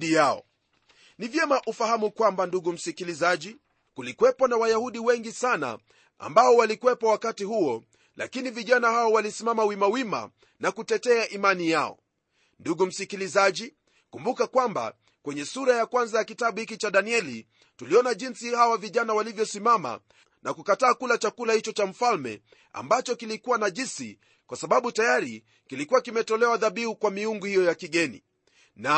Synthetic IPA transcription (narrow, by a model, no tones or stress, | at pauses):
ijaɔ̰ | nivjɛmaʔufahamukwambanduɠum̩sikilizaʄi | kulikwɛpɔnawajahuɗiwɛŋɡisana̰ | a̰mbaɔwalikuwɛpɔwakatihuɔ | la̰kiniviʄanahawɔwalisimamawimawima̰ | nakutɛtɛaʔimanijaɔ̰ | nduɠum̩sikilizaʄi | kumbukakwamba̰ | kwɛɲɛsuɾajakwanzajakitaɓuhikit͡ʃaɗaniɛli | tuliɔnaʄinsihawaviʄanawalivjɔsimama̰ | nakukataːkulat͡ʃakulahit͡ʃɔt͡ʃam̩falmɛ̰ | a̰mbat͡ʃɔkilikuwanaʄisḭ | kwasaɓaɓutajaɾi | kilikuwakimɛtɔlɛwaðaɓiukwamiuŋɡuhijɔjakiɠɛnḭ | na